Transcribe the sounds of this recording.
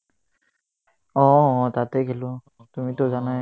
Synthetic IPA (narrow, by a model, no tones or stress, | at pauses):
ɔ̃t̪at̪ekelo | t̪ʊmĩt̪od͡ʒanaɦ